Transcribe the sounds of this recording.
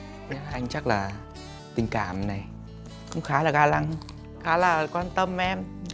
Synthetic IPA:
ɲə˨˦˨ʔa˧jŋ̟t͡ɕa˦˥k̚laː˨˩ | t̪ï˨˩ŋ̟ka̰ː˧˩mna˨˩j | kʊ̰˧˥wŋ͡mxaː˨˦laː˨˩ɣaː˧la˧ŋ | xaː˨˦laː˨˩kwaː˧nt̪ə˧mʔɛ˧m

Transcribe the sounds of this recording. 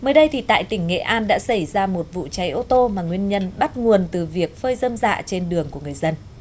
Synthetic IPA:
məː˨˦jɗə˧jt̪ʰi˨˩t̪a̰ː˧˨jt̪ï˧˩ŋ̟ŋḛ˧˨ʔaː˧nɗa̰ː˧˥sa˧˩jzaː˧mo˨˩t̚vṵ˧˨t͡ɕa˨˦jʔo˧t̪o˧maː˨˩ŋwi˧ənɲə˧nɓa˦˥t̚ŋu˨˩ənt̪ɨ˨˩vi˨˩ək̚fəː˧jzə˧mza̰ː˧˨t͡ɕe˧nɗɨ˨˩əŋku˧˩əŋɨ˨˩əjzə˧n

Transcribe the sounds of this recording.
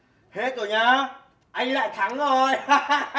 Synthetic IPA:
he˦˥t̪̚zo˨˩ɲaː˧ | ʔa˧jŋ̟la̰ː˧˨jt̪ʰa˨˦ŋzo˨˩j

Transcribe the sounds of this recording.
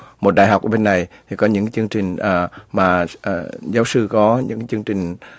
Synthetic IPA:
mo˨˩t̚ɗaː˧˨jɦa˨˩k͡pʔːɓe˧nːa˨˩jt̪ʰi˨˩kɔ˨˦ɲɨ̰˧˥ŋt͡ɕɨ˧əŋt͡ɕï˨˩ŋ̟ʔəː˨˩maː˨˩˨ | zaː˨˦wsɨ˧˩kɔ˨˦ɲɨ̰˧˥ŋt͡ɕɨ˧ŋt͡ɕï˨˩ŋ̟

